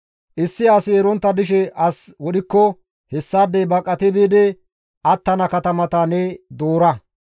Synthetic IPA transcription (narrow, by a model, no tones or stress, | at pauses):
ʔɪsːɪasɪɛɾɔnt̪ːɐd̪ɪʃ̬ɛʔɐswɔɗɪkːɔ | hɛsːaːd̪ːɛjbɐkʼːɐt̪ɪbeːd̪ɛ | ʔɐt̪ːɐnɐkɐt̪ɐmɐt̪anɛd̪oːɾɐ